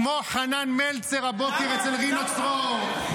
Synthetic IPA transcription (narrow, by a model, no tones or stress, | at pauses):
moχananmelt͡seʁabokeʁet͡selʁinot͡sʁoʁ